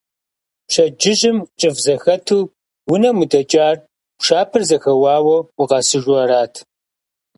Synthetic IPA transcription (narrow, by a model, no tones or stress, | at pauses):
pʂɐd͡ʒɪʑɪmt͡ʃʼɨfzɐxɐtʰuː | wʊnɐmudɐt͡ʃʼaːr | pʃaːpʰɨrzɐxɐwɑːwɐwʊqɐsɨʒwɐɾaːtʰ